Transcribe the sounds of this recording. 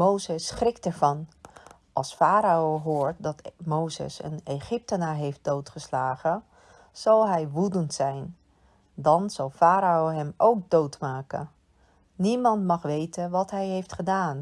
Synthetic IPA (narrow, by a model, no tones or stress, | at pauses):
mowzəsχrɪktəɹvɑn | ʔɑlˠsfaːɾaowɦoːɹt̚dɑtmowzə̰sə̰neχɪp̚tənaːɹɦejft̚d̥owtχəslaːχə | z̥ɑlˠɦɛjʋudəntsɛjn | dɑnz̥ɑlˠfaːɾaowɦɛmʔowk̚dowtmaːkə̰n | nimɑntmɑχʋejtənʋɑtɦɛjɦejftχədaːn